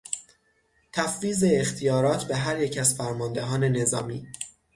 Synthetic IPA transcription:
t̪ʰæfviːze̞ːxt̪ʰijɒːɾɒːt̪ʰbeɦæɾjecʰæzfæɾmɒːnd̪e̞ɦɒːne̞ne̞zɒ̰ːmiː

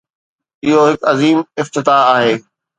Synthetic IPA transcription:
ɪɦoɦɪkɐziːmɪft̪ɪt̪aaːɦeː

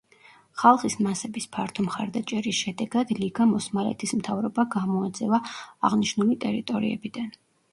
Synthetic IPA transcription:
χalˠχismasɛbispʰaɾt̪ʰɔmχaɾd̪at͡ʃʼɛɾisʃɛd̪ɛɡad̪liɡamɔsmalɛ̰t̪ʰismt̪ʰavɾɔbaɡamɔad̪zɛvaːʁniʃnulit̪ʼɛɾit̪ʼɔɾḭɛ̰bid̪̥an

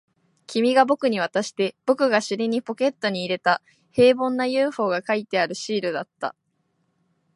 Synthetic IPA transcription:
kʲimʲiɡabo̞kɯ̟ɲ̟iβ̞at̪aɕi̥t̪e̞b̥o̞kɯ̟ɡaɕɨɾʲiɲ̟ipo̞ke̞t̪ːo̞ɲ̟iːɾe̞t̪a | he̞ːbõ̞nːajɯ̟ːɸo̞ːɡakait̪e̞aɾɯ̟ɕiːɾɯ̟d̪at̪ːa̰

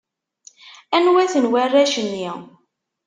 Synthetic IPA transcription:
ænwæθənwærːæʃənːi

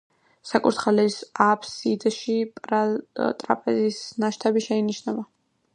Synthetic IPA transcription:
sakʼuɾt̪χalɛsapʰsid̪ʃipʼat̪ʼɾa̰pʼɛzisnaʃt̪ʰabiʃɛiniʃnɛba

